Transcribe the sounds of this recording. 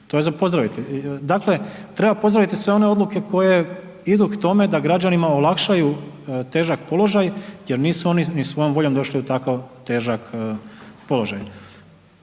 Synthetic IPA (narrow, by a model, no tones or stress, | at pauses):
t̪o̞jezapo̞zd̪ɾaʋit̪id̪akle̞t̪ɾe̞bapo̞zd̪ɾaʋit̪isʋe̞o̞ne̞o̞d̪luke̞ko̞je̞ | id̪ukt̪o̞me̞d̪aɡɾad͡ʑanimaolakʃaju | t̪e̞ːʒakpo̞lo̞ʒajje̞ɾniːsuo̞ninisʋo̞jo̞mʋo̞ʎo̞md̪o̞ʃliut̪akaʋt̪e̞ːʒak | po̞lo̞ʒaj